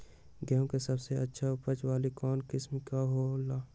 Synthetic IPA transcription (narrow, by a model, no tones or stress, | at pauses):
ɡɛõkesɐbseɐtːʃʰaʊpət͡ʃwaːlikɔːnkɪsmkaɦolːaː